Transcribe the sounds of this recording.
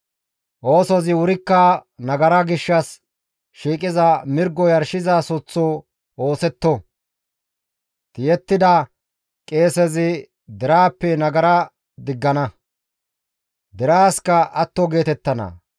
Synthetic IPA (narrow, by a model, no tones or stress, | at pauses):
ʔo̞ːsɔzɪʊɾɪkːɐnɐɡɐɾɐɡɪʃːɐs | ʃiːkʼɪzɐmɪɾɡɔjɐɾʃɪzaːsʊt͡sːoː | o̞ːsɛt̪ːɔ | t̪ɪjɛt̪ːɪd̪ɐ | kʼe̞ːsɛzɪ | d̪ɛɾaːpːɛnɐɡɐɾɐ | d̪ɪɡːɐnɐ | d̪ɛɾaːskɐʔɐt̪ːɔɡe̞ːt̪ɛt̪ːɐnɐ̰